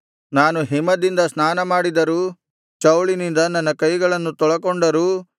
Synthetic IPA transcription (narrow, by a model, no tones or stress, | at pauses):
naːnuɦimɐd̪ind̪ɐsnaːnɐmaːɽid̪ɐɾuː | t͡ʃɐwɭinind̪ɐnːɐnːɐkɐjɡɐɭɐnːut̪ɔɭɐkoɳɖɐɾuː